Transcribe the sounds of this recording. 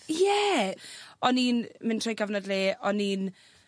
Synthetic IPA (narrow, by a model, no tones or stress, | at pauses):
jɛ | ɔninmɪntʰrojɡavnədleːɔniːn